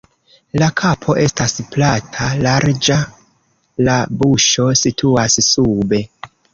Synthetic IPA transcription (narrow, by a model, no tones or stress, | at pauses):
lakʰapʰo̞ʔe̞stasplatʰalaɾd͡ʒa | labuʃo̞sitʰuassube̞